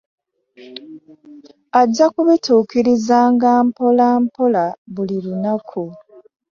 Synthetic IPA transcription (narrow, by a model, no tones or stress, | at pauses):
aɟːakuβituːkiɾizaːŋɡaːmpolaːmpolaβulilunakʰu